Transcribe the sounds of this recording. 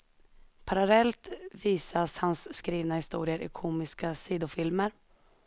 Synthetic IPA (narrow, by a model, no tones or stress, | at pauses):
pʰaɾalɛlt̪viːsashansːkɾiːvnahɪst̪uːɾɪəɾʔɪ̰kʰuːmɪskasiːd̪ʊfɪlməɾ